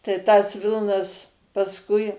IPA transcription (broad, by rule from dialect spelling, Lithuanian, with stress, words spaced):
tɐɪ tɐs ˈʋʲɪlˠnɐs pɐsˈkʊɪ